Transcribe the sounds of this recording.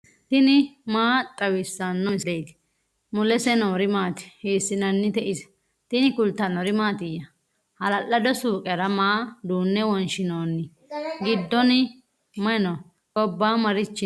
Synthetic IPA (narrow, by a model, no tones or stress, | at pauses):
t̪ɪnɪmaːt̪ʼːɐwɪsːɐnːɔnsejt̪ | mʊlɛsɛnoːɾɪmaːt̪ɪ̥heːsːɪnɐnːɪt̪ɛʔɪs | t̪ɪnɪkʊlt̪ːɐnɔɾɪmaːt̪ɪjɐ | hɐlɐlːɐd̪ɔsuːkʼɛɾɐmaːd̪uːnːɛwɔnʃɪnoːnːɪ | ɡɪd̪ːɔnɪ | mɐnɔ | ɡɔbːaːmɐɾɪt͡ʃːɪ